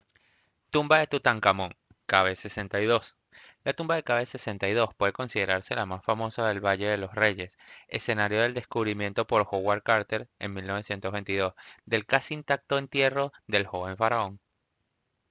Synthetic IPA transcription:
t̪umbaðe̞t̪ut̪aŋkamõŋ | kaβ̞ese̞se̞nt̪ajðo̞s | lat̪umbaðe̞kaβese̞se̞nt̪ajðo̞spwe̞ðe̞ko̞nsið̞e̞ɾaɾse̞lamasfamo̞saðe̞lβaʝe̞ðe̞lo̞sre̞ʝe̞sḛse̞naɾjo̞ð̞e̞ld̪eskuβɾimje̞nt̪o̞po̞ɾxoɣwaɾkaɾt̪eɾe̞̰ŋmilno̞β̞e̞sje̞nt̪ozβe̞nt̪iðo̞sd̪e̞lkasiːnt̪ak̚t̪o̞e̞nt̪je̞ro̞ðe̞lxo̞βe̞ɱfaɾao̞ŋ

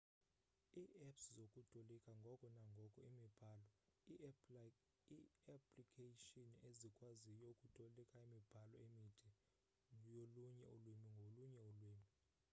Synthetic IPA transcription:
iːʔɛpszokʼutʰʼolikʼaŋɡʱɔkʼɔnaŋɡʱɔkʼɔimib̥ʱaːlɔ | iapʰʼlikʰʼeʃinezikʼwazijokʼutʰʼolikʼaimib̥ʱalɔemitʰi | joluɲɛulwemʱiŋɡʱoluɲɛulwiːmʱi

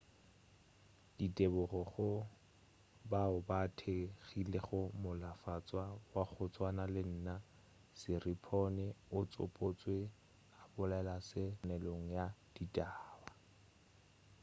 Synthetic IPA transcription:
d̥itʼebʊχɔχʊ | baʊbatʰeɣileχʊmʊlafat͡sʼwawaɣʊt͡sʼwanalɪn̩ːna | sɪripʰɔnɛʊt͡sʼʊ̰pʼot͡sʼwe | abʊlaɛlasɪnɛloŋ̩jad̥itʼaːba

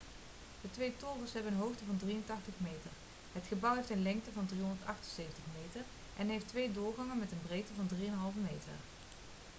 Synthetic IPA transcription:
d̥ətʋejtʊːvəsɦɛbənənɦowχtəvɑndriəntɑχtəχmejtər | ɦətχəbɑwɦejftənlɛŋk̚təvɑndriɦɔndəɹtɑχtənsejvəntəχmejtəɹ | ʔɛnɦejftʋejdʊːɹχɑŋənmɛtənbrejktəvɑndrijənɦɑlˠvəmejtə̰r

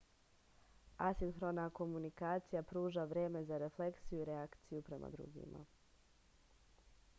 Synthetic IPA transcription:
asinxɾo̞nako̞munikaːt̪sijapɾuːʒaʋɾje̞ːme̞zaɾe̞fle̞ksijuiɾeakt̪sijupɾe̞mʔa̰d̪ɾṵɡḭmʔa̰

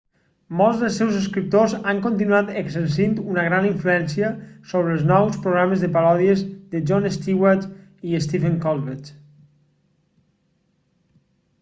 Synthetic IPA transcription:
mɔlˠzðəlˠsɛwzəskɾip̚t̪ozaŋkont̪inuat̪əɡzənsint̪unəɣ̞ɾaniɱfluɛnsiəsoβɾəlˠznɔwspɾoɣɾaməzðəpaɾɔðiəzðəd͡ʒɔnest̪iwaɾt̪iest̪ifəŋkɔlˠβet͡ʃ

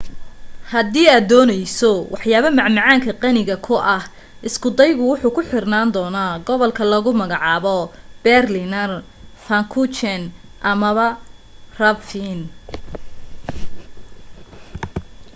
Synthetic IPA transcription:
hɐd̪iːaːd̪ɔːnɛjsɔwɑħjaːβɐmɑʕmɑʕɑːŋkʰɐqɑnɪɣɐkʰʊʔɐh | ɪskʊd̪ɛjɣʊwʊħuːkʰʊħɪrnaːnd̪ɔːnaːɡɔβɔlkʰɐlɐɣʊmɐɣɑʕɑːβɔb̥ɛrlɪnɐr | fɐŋkʰʊt͡ʃɛnʔɐmɐβɐrɐfin

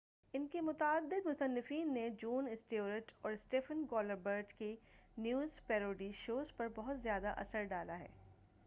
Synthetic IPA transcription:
ɪnkemʊt̪aːd̪ːɪd̪mʊsənːɪfiːnːed͡ʒuːnɪsʈioːɾəʈɔːɾɪsʈeːfənɡɔːləɾbəɾʈkenjuːzpɛːɾoːɖiʃoːzpɐɾbɔɦʊt̪zjaːd̪aʔɐ̰səɾɖaːlaɦɛ̰ː

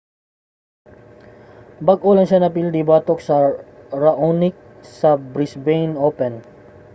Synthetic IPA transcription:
bɐɡʔolɐŋʃanɐpild̪ibaːt̪oksɐɾɐʔonɪk̚ | sɐbɾisbejnopɛn

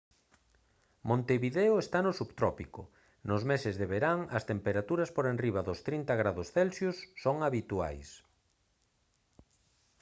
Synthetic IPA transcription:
mõnt̪eβiðeʊest̪anʊsuβt̪ɾɔpikʊ̰ | nʊzmesɪzðeβeɾaŋɐst̪empeɾat̪uɾɐspoɾenriβaðʊst̪ɾint̪ɐɣɾaðʊsθelsjʊsːoŋaβit̪ua̰js

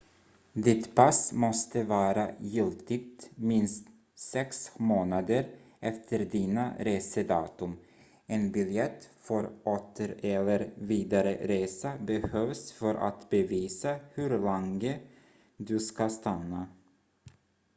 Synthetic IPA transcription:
d̪ɪt̪pʰasmɔst̪əvɑːɾajɪlt̪ɪɡ̚t̪mɪnst̪ | sɛksmoːnad̪əɾʔɛft̪ʰəɾd̪iːna̰ɾeːsəd̪ɑ̰ːt̪ɵm | ɛnbɪljɛt̪ːfœɾʔoːt̪ʰəɾɛlːəɾviːd̪aɾə̰ɾeːsabɛhøːvsfœɾʔa̰t̪bɛviːsahɵɾlɛŋə | d̪ɵskast̪anːa

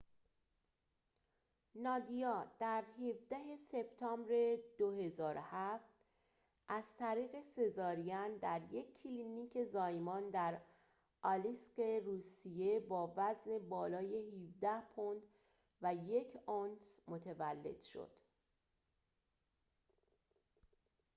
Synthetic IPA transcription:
nɒːd̪ijɒːd̪̥æɾhevd̪æɦe̞se̞b̥t̪ʰɒːmbɾe̞d̪o̞he̞zɒːɾohæft̪ | ʔæz̥t̪ʰæɾiːɣe̞se̞zɒːɾijænd̪æɾje̞cʰːiliniːcʰe̞zɒːjmɒːnd̪æɾ | ʔɒliske̞ruːsije̞bɒːvæzne̞bɒːlɒːje̞hivd̪æhpʰond̪ | væjecʰonsmot̪ʰevælːe̞̰d̪̥ʃo̞̰d̪̥

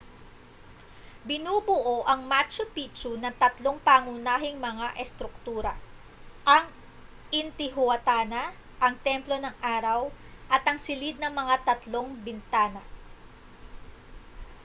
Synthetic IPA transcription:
bɪnuːbʊʔoʔɐŋmat͡ʃopit͡ʃunɐt̪ɐt̪lo̞ŋpaːŋʊnaːɦɪŋmɐŋaʔɛst̪ɾʊk̚t̪uːɾɐ̰ | ʔɐŋ | ʔɪnt̪ɪɦʊwɐt̪aːnɐ | ʔɐŋt̪ɛmplo̞nɐŋʔaːɾɐwʔɐt̪ɐŋsɪlid̪̚nɐŋmɐŋat̪ɐt̪lo̞ŋbɪnt̪aːnɐ

